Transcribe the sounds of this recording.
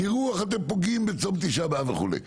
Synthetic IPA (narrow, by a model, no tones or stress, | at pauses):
iʁuaχat̪̬empoɡimbet͡somt̪iʃabeaveχṵlḛj